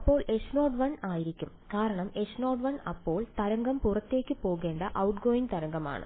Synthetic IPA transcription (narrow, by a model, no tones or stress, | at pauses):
ɐpːo̞ːɭe̞ʂno̞ːɖʋɐnaːjiɾikʲːumkaːɾɐɳɐme̞ʂno̞ːɖʋɐnɐpːo̞ːɭt̪ɐɾɐŋɡɐmpurɐt̪ːe̞ːkʲːɨpo̞ːɣe̞ːɳɖɐʔɐwʈɡoːjiŋt̪ɐɾɐŋɡɐma̰ːɳɨ̰